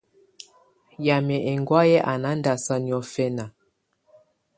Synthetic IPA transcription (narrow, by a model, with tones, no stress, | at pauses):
ja˨mɛ˨ʔɛ˨ŋɡwa˦jɛ˦ʔa˨na˦n˦da˨sa˦ni˨ɔ˦fɛ˦na˨